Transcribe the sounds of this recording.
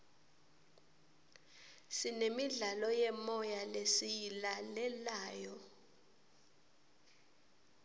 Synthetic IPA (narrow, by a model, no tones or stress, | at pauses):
sinemiɮalɔjɛmɔjalesijilalɛlaːjɔ